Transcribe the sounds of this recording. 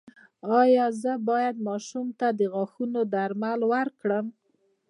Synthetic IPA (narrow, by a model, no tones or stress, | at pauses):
ɑjɑzəbɑjad̪̚mɑʃumt̪ad̪əɣaxunod̪aɾmalwəɾkɽəm